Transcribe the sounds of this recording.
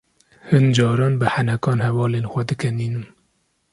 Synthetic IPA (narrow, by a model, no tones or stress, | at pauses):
hɨnd͡ʒɑːɾɑːnbɨħanɛkɑːnhɛvɑːleːnxʷɛd̪ɨkɛniːnɨm